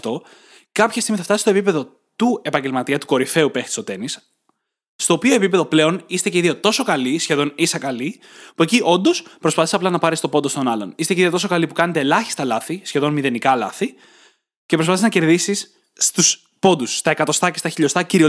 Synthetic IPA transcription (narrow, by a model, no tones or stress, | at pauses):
t̪o̞ | kɐpçɐst̪iɣmiθɐft̪ɐsist̪opipe̞ðo̞ | t̪ue̞pɐɲɟe̞lmɐt̪iɐt̪u̥ko̞ɾife̞upext̪i̥sot̪e̞nisː | t̪o̞ːpio̞e̞pipe̞ðo̞ple̞o̞nist̪e̞ceiðiot̪o̞so̞kɐlisçe̞ðo̞nisɐkɐli | pueciʔo̞nd̪o̞spɾospɐθisɐplɐnɐpɐɾist̪o̞po̞nd̪o̞st̪o̞nɐlo̞̰nist̪e̞ceiðiot̪o̞sokɐlipukɐne̞t̪eːlɐçi̥st̪ɐlɐθisçe̞ðo̞nmiðe̞nikɐlɐθi | cepɾspɐθiznɐce̞ɾðisis | t̪us | po̞nd̪usːt̪ɐe̞kɐt̪o̞st̪ɐcest̪ɐçiʎo̞st̪ɐciɾio